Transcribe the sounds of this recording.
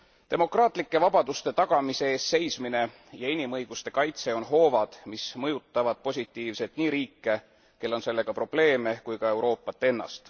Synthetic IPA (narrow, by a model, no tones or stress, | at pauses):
t̪e̞mo̞krɑːt̪ˑlikːe̞vɑb̥ɑd̪ust̪e̞t̪ɑɡ̥ɑmise̞eːsːe̞jsmine̞ | jɑinimɤjɡ̥ust̪e̞kɑjt̪se̞o̞nɦo̞ːvɑd̪̥mismɤjut̪ˑːɑvɑd̪̥̚po̞sʲit̪ːˑiːvse̞t̪ˑniːɾiːkːˑe̞ | ke̞lːo̞nse̞lːe̞ɡ̥ɑpro̞b̥le̞ːme̞kujkɑe̞wɾo̞ːpːˑɑt̪ːˑe̞nːɑ̰st̪